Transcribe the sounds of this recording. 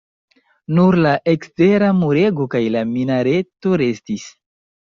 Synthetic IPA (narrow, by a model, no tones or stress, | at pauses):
nuɾlaʔekste̞ɾamuɾe̞ɡokajlaminaɾe̞to̞ɾe̞stis